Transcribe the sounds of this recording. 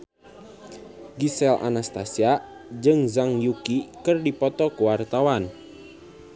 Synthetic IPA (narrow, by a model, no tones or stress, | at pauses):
ɡisɛlʔa̰nast̪asia | d͡ʒɨŋzaŋjukikərdipɔt̪ɔkuwart̪awan